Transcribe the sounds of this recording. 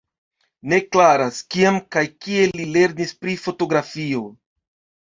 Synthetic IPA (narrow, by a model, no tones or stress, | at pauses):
ne̞klaɾaskiamkajkie̞lile̞ɾnispɾifo̞to̞ɡɾafio̞